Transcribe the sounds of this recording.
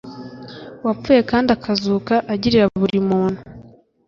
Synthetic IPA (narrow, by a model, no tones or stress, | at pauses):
wap͡fuje̞kaːndiakʰazuːkaʔːɟiɾiɾaβuɾimuːnu